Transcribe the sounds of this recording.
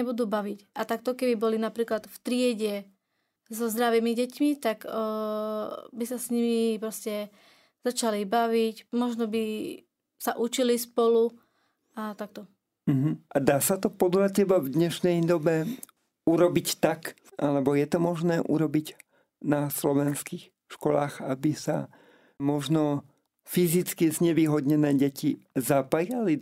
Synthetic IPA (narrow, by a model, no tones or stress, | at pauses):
ɛbud̪uːbaʋicʔat̪ak̚t̪ɔkɛbibɔlinapɾiːklat̪ft̪ɾɪɛɟɛ | zɔzd̪ɾaʋiːmiɟɛcmit̪ak | bisasɲimipɾɔscɛ | z̥at͡ʃalibaʋicmɔʒnɔbi | saʔut͡ʃilispɔlu | at̪ak̚t̪ɔ | m̩ɦm̩ʔad̪aːsat̪ɔpɔd̪lacɛbavd̪ɲɛʃnɛjd̪ɔbɛ | uɾɔbict̪ak | ʔalɛbɔjɛt̪ɔmɔʒnɛːʔṵɾɔbiɟ | naslɔʋɛnskiːx | ʃkɔlaːɣabisa̰ | mɔʒnɔ | fizit͡skizɲɛʋiːɦɔd̪ɲɛnɛːɟɛcizapajali